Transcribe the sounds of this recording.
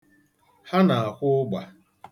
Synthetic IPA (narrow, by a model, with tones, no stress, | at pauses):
ha˦na˨a˨kʷʊ˦ɡ͡ba˨